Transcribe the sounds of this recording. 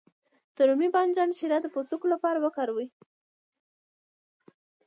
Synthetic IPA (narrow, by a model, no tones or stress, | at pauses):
t̪ʊɾumibɑnd͡ʒɑnʃiɾad̪əpoɾt̪ukolapɑɾawəkaɾwi